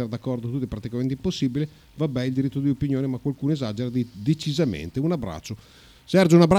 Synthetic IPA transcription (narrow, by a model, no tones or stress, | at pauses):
eɾad̪akːɔrd̪ot̪ut̪ːɛpɾat̪ikament̪imposːiːbile | vabːɛild̪iɾit̪ːod̪iopinjoːnemakːwalkuːnoezad͡ʒeɾad̪id̪et͡ʃizamḛnt̪eunabɾa̰t͡ʃːo | sɛrd͡ʒounabɾa